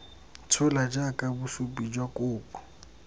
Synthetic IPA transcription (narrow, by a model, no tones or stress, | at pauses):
t͡sʰʊlad͡ʒakʼabusupʼid͡ʒwakʼʊːpɔ̥